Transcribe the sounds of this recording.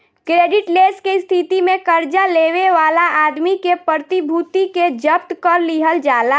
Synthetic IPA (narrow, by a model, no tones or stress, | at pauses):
kɾeːɖɪʈleskest̪ʰit̪imẽkəɾd͡ʒaleʋeʋaːlaʔaːd̪mikepɾət̪ibʱut̪iked͡ʒəp̚t̪kəɾliɦəld͡ʒaːla